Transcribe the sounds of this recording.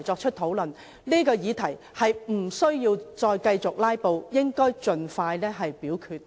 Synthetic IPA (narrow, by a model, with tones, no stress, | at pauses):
jt͡ʃɔː˧k̚t͡ʃʰɵ˥t̚t̪ʰo˨˥wlɵ˨˩n | liː˥kɔː˧jiː˨˧t̪ʰɐ˨˩j | hɐ˨jm̩˨˩sɵ˥ɥjiː˧wt͡ʃɔː˧jkɐ˧jt͡sʊ˨k̚laː˥jpo˨˧wjɪ˥ŋkɔː˥jt͡ʃɵ˨nfaː˧jlɛː˥ɦɐ˨jpiː˨˥wkʰyː˧t̚